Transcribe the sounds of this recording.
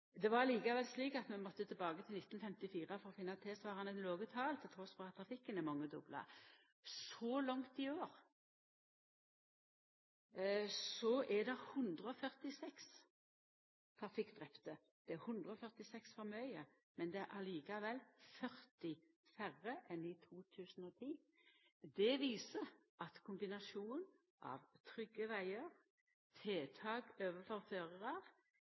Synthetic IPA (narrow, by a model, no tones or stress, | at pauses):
d̪ɛʋɑɾliːkɑʋɛlsliːkɑt̪mɛnmɔt̪ːət̪ʰɪlbɑːɡət̪ʰɪlnɪt̪ːnfɛmt̪ɪfiːʁəfɔɾɔfɪnːɑt̪ʰeːsʋɑːʁɑnəloːɡət̪ʰɑːlt̪ʰɛt̪ʰʁuːst̪ʁuːɑt̪ʰʁɑfɪkːənɛmɑŋːəd̪ʊ̰blɑ̰ | sɔlɑŋt̪ɪoːʁ | sɔʔɛd̪ɛɾhʉnd̪ʁəɔfœʁt̪ɪsɛks | t̪ʰɑfɪkd̪ʁɛpt̪ə | d̪̥ɛæʁhʉnd̪ʁəɔfœʁt̪ɪsɛksfɔʁmœʏə | mɛnd̪ɛæɾʔɑliːkɑʋɛlfœʁt̪ɪ | fæʁəʔɛnit̪ʰuːt̪ʰʉːsn̩oːt̪ʰiː | d̪ɛʋiːsə | ɑt̪kʰʊmbɪnɑʃuːn | ʔɑ̰ʋt̪ʰʁʏɡəʋæɪəʁ | t̪ʰeːt̪ʰɑːɡøːʋəfɔʁføːʁəʁɑʁ